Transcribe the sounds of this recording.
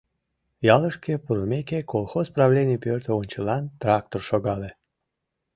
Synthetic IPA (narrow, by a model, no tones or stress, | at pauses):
jɑlˠəʃkʲepɾomʲekʲekolˠxosprɑvlʲenʲijpʲørt̪əunʲt͡ɕəlɑnt̪ɾɑk̚t̪orʃoɡɑle